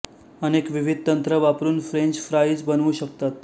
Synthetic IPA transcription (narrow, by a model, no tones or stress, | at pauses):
ənekʋiʋid̪̚ʱt̪ənt̪ɾəʋapɾuːnfɾeɲd͡ʑfɾaiːd͡zbənuːɕəkt̪at̪